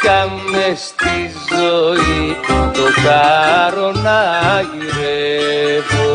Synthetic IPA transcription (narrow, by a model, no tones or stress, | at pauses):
t̪amest̪izoiotaɾonaɣiɾepo